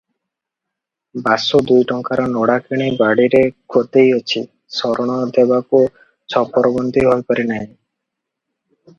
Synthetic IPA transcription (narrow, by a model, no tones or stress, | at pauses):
basud̪ujʈɔŋkaɾɔnɔɽakeɽ̃ejbaɽiɾekʰot̪ejɔt͡ʃʰi | sɔɾɔɽ̃ɔd̪ebaku | t͡ʃʰɔpɔɾɔbond̪iɦɔjpɔɾinaɦĩ